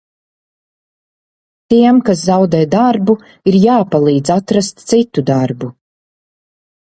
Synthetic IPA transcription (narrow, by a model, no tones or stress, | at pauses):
t̪iɛmkas̬zawd̪ɛːjd̪aɾbu | iɾjaːpalˠiːd̪zat̪ɾast̪t̪sit̪ud̪aɾbu